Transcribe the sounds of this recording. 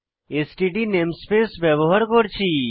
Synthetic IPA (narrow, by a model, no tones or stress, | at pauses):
esʈiʈineːmspeːsbɛboɦəɾkoɾt͡ʃʰiː